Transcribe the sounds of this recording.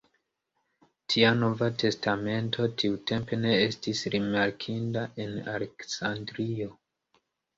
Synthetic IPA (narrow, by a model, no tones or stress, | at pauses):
tʰiano̞vatʰe̞stʰame̞ntʰo̞tʰiute̞mpe̞ne̞e̞stisɾimaɾkʰindaʔe̞na̰le̞ksandɾio̞